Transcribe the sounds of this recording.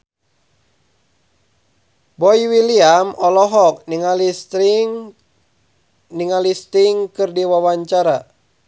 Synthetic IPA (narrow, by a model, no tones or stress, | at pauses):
bɔiwiliamɔlɔɦɔk̚nŋal | niŋalist̪iŋkɨrdiwawaɲt͡ʃaɾa